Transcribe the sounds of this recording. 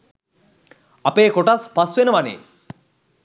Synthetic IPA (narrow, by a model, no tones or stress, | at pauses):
apeːkoʈaspasuʋenəʋanḛː